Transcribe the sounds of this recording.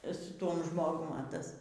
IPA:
sʊ ˈtuɔm ˈʒmoːɡʊm ɐ ˈtɐs

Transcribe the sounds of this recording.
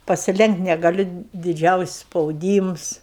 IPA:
pɐsʲɪˈlʲɛŋktʲ nʲɛɡɐˈlʲʊ dʲɪˈd͡ʒʲɛʊsʲɪsʲ spɐʊˈdʲiːms

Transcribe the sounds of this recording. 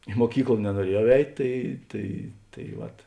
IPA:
ɪ muɔˈkʲiːklˠɐ nʲɛnuɔˈrʲiɛjɛʊ ˈɛɪtʲ ˈtɐɪ tɐɪ tɐɪ ˈʋɐt

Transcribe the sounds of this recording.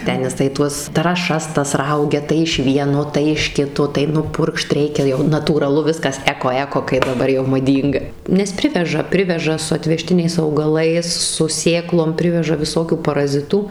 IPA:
ˈtʲɛn jɪˈsɐɪ ˈtuɔs trɑːˈʃɐs ˈtɐs ˈrɐʊɡʲɛ tɐɪ ɪʃ ˈʋʲiɛnoː tɐɪ ɪʃ ˈkʲɪtoː tɐɪ nʊˈpʊrkʃt ˈrʲɛɪkʲɛ jɛʊ nɐtuːrɐˈlˠʊ ˈʋʲɪskɐs ˈæːkoː ˈæːkoː kɐɪ dɐˈbɐr jɛʊ mɐˈdʲiːŋɡɐ nʲɛs ˈpʲrʲɪʋʲɛʒɐ ˈpʲrʲɪʋʲɛʒɐ sʊ ɐtʲʋʲɛˈʃʲtʲɪnʲɛɪs ɐʊɡɐˈlˠɐɪs sʊ ˈsʲeːklˠoːm ˈpʲrʲɪʋʲɛʒɐ ʋʲɪˈsoːkʲuː pɐrɐˈzʲɪtuː

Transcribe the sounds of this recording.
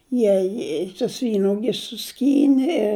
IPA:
ˈjiɛ ɪ tʊs ˈʋʲiːnuɔɡʲɪs sʊˈsʲkʲiːnʲɪ ɪ

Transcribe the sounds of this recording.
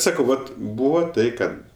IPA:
ˈsɑːkɐʊ ˈʋɐt ˈbuːʋoː ˈtɐɪ ˈkɐt

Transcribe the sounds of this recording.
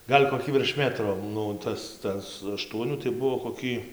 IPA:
ˈɡɐlʲ koːˈkʲiː ʋʲɪrʃ ˈmʲæːtroː ˈnʊ ˈtɐs ˈtɐs ɐˈʃtuɔnʲuː tɐɪ ˈbuɔ koːˈkʲiː

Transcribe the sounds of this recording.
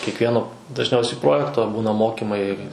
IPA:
kʲiɛkˈʋʲiɛnoː dɐʒʲˈnʲɛʊsʲɛɪ ˈproːjɛktoː ˈbuːnɐ ˈmoːkʲɪmɐɪ

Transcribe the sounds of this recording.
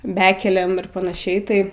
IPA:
ˈbʲæːkʲɛlʲeːm ɪr pɐnɐˈʃʲɛɪ tɐɪ

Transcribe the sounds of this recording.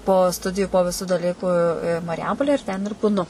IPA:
poː ˈstʊdʲɪjʊ poː ʋʲɪˈsuː dɐˈlʲiːkʊ ɪ ɪ mɐrʲˈjɛmpoːlʲɛ ɪr tʲɛn ɪr buːˈnʊ

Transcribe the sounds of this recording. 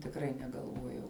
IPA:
tʲɪkˈrɐɪ nʲɛɡɐlˠˈʋuɔjɛʊ

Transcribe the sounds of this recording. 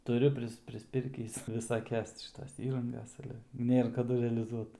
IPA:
tʊˈrʲʊ pʲrʲɪs pʲrʲɪsʲˈpʲɪrʲkʲiːs ʋʲɪsɐˈkʲɛs tʲɪ ʃʲɪˈtoːs ˈiːrɐŋɡɐs ˈɑːlʲɛ ˈnʲeːr kɐˈdʊ rʲɛɐlʲɪˈzuɔt

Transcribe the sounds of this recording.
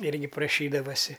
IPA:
ˈɪrʲɡʲɪ prɐˈʃʲiːdɐʋɐsʲɪ

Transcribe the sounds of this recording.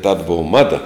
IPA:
tɐt ˈboːʋɐ ˈmɑːdɐ

